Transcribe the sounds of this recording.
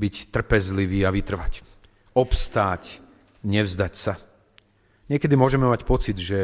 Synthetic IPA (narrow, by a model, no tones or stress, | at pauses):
bict̪r̩pɛzliʋiːaʋit̪r̩ʋac | ɔpst̪aːc | ɲɛvʊzd̪acsa | ɲɪɛkɛd̪imʊɔʒɛmɛmacpɔt͡sid̪ʒɛ